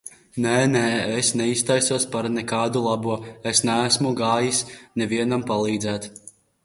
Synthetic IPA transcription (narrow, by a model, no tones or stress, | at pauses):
nɛnɛːesnɛist̪ajsuɔspaɾnɛkaːd̪ulˠabuɔesnæːsmuɡaːjisnɛviɛnampalˠiːd̪zæːt̪